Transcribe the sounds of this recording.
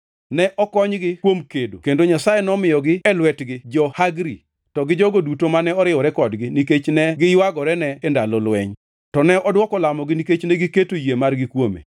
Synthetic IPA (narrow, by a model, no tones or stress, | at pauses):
nɛʔɔkɔɲɡɪkwomkedo̰kendoɲasajɛnɔmɪjɔɡɪɛlwɛtɡɪd͡ʒɔhaɡɾḭ | tɔɡɪd͡ʒɔɡodutomanɛɔɾɪɔɾɛkɔdɡɪniket͡ʃnɛɡɪjwaɡɔɾɛnɛːndalɔlwɛɲ | tɔnɛɔdwɔkɔlamɔɡɪniket͡ʃnɛɡiketojemarɡɪkwomḛ